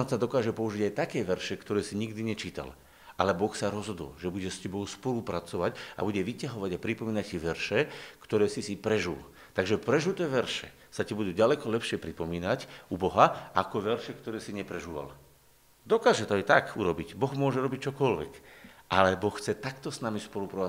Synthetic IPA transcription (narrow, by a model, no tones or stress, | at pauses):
sad̪ɔkaːʒɛpɔuʒiɟajt̪akɛːʋɛɾʃɛkt̪ɔɾɛːsiɲiɡd̪iɲɛt͡ʃiːt̪a̰l | ʔalɛbɔxsaɾɔzɦɔd̪ɔ̰lʒɛbuɟɛscɛbɔʊspɔluːpɾat͡sɔʋaɟa̰buɟɛʋicaɦɔʋaɟapɾipɔmiːnaciʋɛɾʃɛkt̪ɔɾɛːsisipɾɛʒṵl | t̪aɡʒɛpɾɛʒut̪ɛːʋɛɾʃɛ̰ | sacibud̪uːɟalɛkɔlɛpʃɪɛpɾipɔmiːnacubɔɦaakɔʋɛɾʃɛkt̪ɔɾɛːsiɲɛpɾɛʒuːʋa̰l | d̪ɔkaːʒɛt̪ɔajt̪akuɾɔbiɟbɔɣmʊɔʒɛɾɔbic̚t͡ʃɔkɔlʋɛ̰kʔalɛbɔxxt͡sɛt̪akt̪ɔsnamispɔlupɾɔ